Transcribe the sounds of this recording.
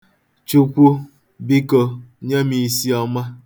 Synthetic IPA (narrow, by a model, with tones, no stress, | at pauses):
t͡ʃu˦kʷu˦ | bi˦ko˦ɲe˦mi˨˦si˦ɔ˦ma˦